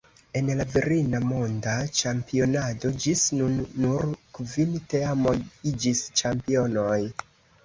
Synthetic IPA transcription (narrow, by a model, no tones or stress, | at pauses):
e̞nlaveɾinamo̞ndat͡ʃampio̞nado̞d͡ʒisnunːuɾkvinteamo̞jid͡ʒist͡ʃampio̞no̞j